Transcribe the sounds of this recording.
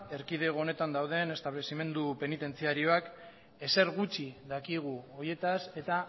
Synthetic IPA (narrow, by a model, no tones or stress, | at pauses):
e̞ɾkið̞e̞ɣo̞ne̞t̪and̪awð̞e̞ne̞st̪aβle̞sime̞nd̪upe̞nit̪e̞nt͡siaɾio̞ak | e̞se̞ɾɣut͡ʃiðakiɣ̞uo̞je̞t̪ase̞t̪a